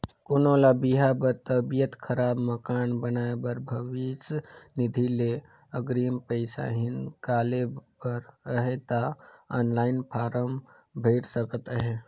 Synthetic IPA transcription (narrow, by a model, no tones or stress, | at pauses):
koːnolabiɦapəɾt̪əbijət̪kʰəɾaːbməkaːnbənaːebəɾbʱəʋisnɪd̪ʱile | əɡɾiəmpəɪsa̰ɦɪnkaːlepəɾəɦet̪aaːnlaːɪnpʰaːɾəm | bʱəɪɽsəkət̪əɦe